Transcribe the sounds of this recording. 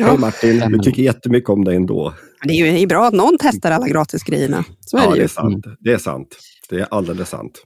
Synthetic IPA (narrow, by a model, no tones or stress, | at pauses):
ɛmaʈːɪnd̪ɪt̪ʰʏkːəɾjɛt̪ːəmʏkːəɔmd̪ɛɛnd̪o̰ː | d̪ɛæjɵɛɾjɵbɾɑːat̪nɔnːt̪ʰɛst̪aɾalːaɡɾɑːt̪ʰɪsɡɾɛ̰jːəɳa̰soæɛdj̪ɛsa̰nt̪d̪ɛæʂa̰nt̪ | d̪̥ɛæɾʔald̪eːləsːa̰nt̪